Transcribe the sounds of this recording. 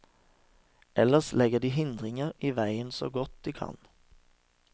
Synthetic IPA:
ʔɛləslɛɡəd̪iːhɪnd̪ʁɪŋəʁiːʋæɪənso̰ːɡɔt̪̚d̪̥iːkʰɑ̰n

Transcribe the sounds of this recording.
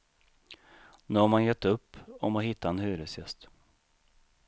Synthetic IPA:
nʉːhaɾmanjɛt̪ːɵpːɔmɔhɪt̪ʰːaɛnhʉ̟ːɾəsjɛst̪

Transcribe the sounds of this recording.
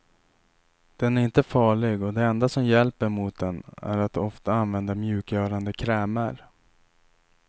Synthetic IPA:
d̪̥ɛnæɾɪnt̪əfɑːɭɪɡɔd̪ɛɛnd̪asɔmjɛlpəɾmʊt̪̚d̪ɛnæ̰ɾat̪ɔft̪aanvɛnd̪amjʉ̟ːkjœːɾand̪əkʰɾɛːmaɾ

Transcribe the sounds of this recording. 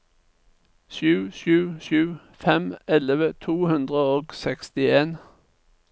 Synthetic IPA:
ʃʉːʃʉːʃʉː | fɛmɛləʋət̪ʰuːhʉnd̪ʁəoːɡsɛkst̪ɪeːn

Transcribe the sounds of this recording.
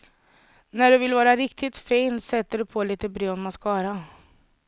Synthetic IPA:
næɖɵvɪlvɑːɾaɾɪk̚t̪ʰɪt̪fiːnsɛt̪ːəɖɵpʰoːliːt̪əbɾøːɔmmaskʰɑːɾa

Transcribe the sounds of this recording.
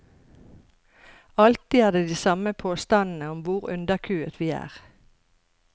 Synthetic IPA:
ɑlt̪iːæːd̪eːd̪iːsɑməpʰoːst̪ɑnn̩əʊmʋʊʁʉnd̪əkʰʉːət̪ʰʋiːæ̰ːʁ

